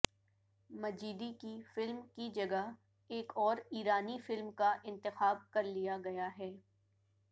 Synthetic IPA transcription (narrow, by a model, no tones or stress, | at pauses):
mɐd͡ʒiːd̪ikifɪlmkid͡ʒɐɡaɦ | eːkɔːɾiːɾaːnifɪlmkaʔɪ̃nt̪ɪxaːb̚kɐɾlijaɡɐjaɦɛː